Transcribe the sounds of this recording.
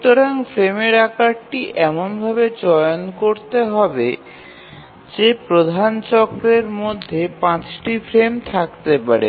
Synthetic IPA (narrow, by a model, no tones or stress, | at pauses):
ut̪oɾaŋfɾemeɾakaʈʈiʔɛmonbʱabed͡ʑɔjonkoɾt̪eɦɔbe | d͡ʑepɾod̪ʱant͡ɕɔkɾeɾmod̪ʱːepãt͡ɕʈifʰɾemt̪ʰakt̪epaɾḛ